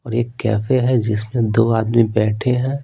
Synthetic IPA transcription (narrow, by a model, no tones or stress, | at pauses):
ɔːɾeːkːɛ̰ːfeɦɛd͡ʒɪsmẽd̪oːaːd̪mibɛːʈʰeɦɛ̃ː